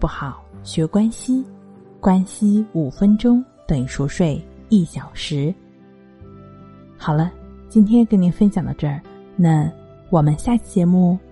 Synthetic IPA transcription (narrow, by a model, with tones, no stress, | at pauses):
pu˥˩xɑ˨˩˦ʊɕɥɛ˧˥kwa˥nɕi˥ | kwa˥nɕi˥u˨˩fə˥nʈ͡ʂʊ˥ŋ | t̪ə˨˩ŋʂɔ˧˥ʂwe˥˩ɪi˥˩ɕjɑ˨˩ʊʂɻ̩˧˥ | xɑ˨˩ʊlə˦t͡ɕi˥nt̪ʰjɛ˥nkə˥nni˧˥nfə˥nɕjɑ˨˩ŋd̪ə̰˧˦ʈ͡ʂə˥˩ | na˥˧˩ | wɔ˨˩mə˦nɕja˥˩t͡ɕjɛ˧˥mu˥˩